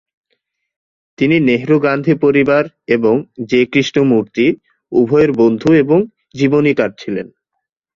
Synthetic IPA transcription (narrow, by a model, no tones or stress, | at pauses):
t̪inineɦɾoɡand̪ʱipoɾibaɾ | eboŋd͡ʑekɾiʃʈomuɾt̪i | ubʱɔeɾbond̪ʱueboŋ | d͡ʑibonikaɾ̚t͡ɕʰilen